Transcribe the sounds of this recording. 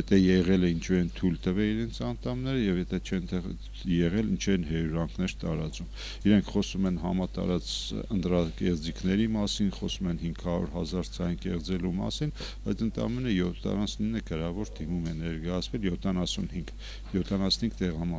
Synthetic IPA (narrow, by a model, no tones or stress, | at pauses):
jɛt̪ʰɛjɛʁɛlɛint͡ʃʰuɛnt̪ʰujlt̪əvɛiɾɛnt͡sʰɑnt̪ʰɑmnɛɾəjɛvjɛt̪ʰɛt͡ʃʰɛnt̪ɛ | jɛʁɛlnt͡ʃʰɛnɦɛɾuɾɑŋkʰnɛɾt̪ɑɾɑt͡sum | iɾɛŋkʰχɔsumɛnɦɑmɑt̪ɑ̰ɾɑt͡sənt̪ɾɑkɛʁd͡zikʰnɛɾimɑsinχɔsumɛnhiŋɡʰhɑɾṵɾɦɑzɑɾt͡sʰɑjnkɛʁd͡zɛlumɑ̰sin | b̥ɑjt͡sʰənt̪ʰɑ̰mɛnəjɔt̪ʰːɑ̰nɑsninːəkəɾɑvɔɾd̪imumɛnɛɾkɑjɑt͡sʰvɛljɔt̪ʰːɑnɑsunhiŋɡ | jɔt̪ʰɑnɑsnhiŋɡ̚t̪ɛʁɑmɑ